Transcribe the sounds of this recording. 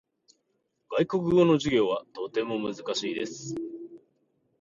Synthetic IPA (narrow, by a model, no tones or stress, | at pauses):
ɡ̥aiko̞kɯ̟ɡo̞no̞ʑiɡʲo̞ːβat̪o̞t̪e̞mo̞mɯ̟zɨkaɕiːd̪e̞sɨ̥